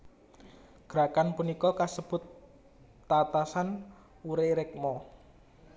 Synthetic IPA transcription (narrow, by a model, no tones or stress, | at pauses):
ɡ̥ɾakanpunikɔkasəb̥ʊ̤t̪ː | at̪asan | uɾeɾɛk̚mɔ